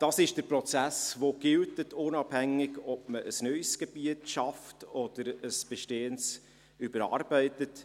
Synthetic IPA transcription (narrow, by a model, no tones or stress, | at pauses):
d̥ɑːsɪʃd̥əɾpɾɔt͡sæsʋoɡ̥ɪltətʰʊnɑb̥hæŋːɪɡɔb̚məʔəsnœʏsɡ̥eb̥iətʃɑftɔd̥əɾəsb̥ɛʃteːəns | ybəɾɑ̰ːɾbɛɪtət